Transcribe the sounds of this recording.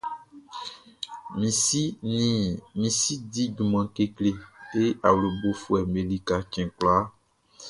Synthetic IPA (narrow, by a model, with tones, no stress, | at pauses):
mĩ˨i˦ | mĩ˨si˦di˦d͡ʒu˨mã˨ke˦kle˦e˦a˨wlo˨bo˦fu˦ɛ˨me˨li˦ka˨t͡ʃɛ̃˨kla˦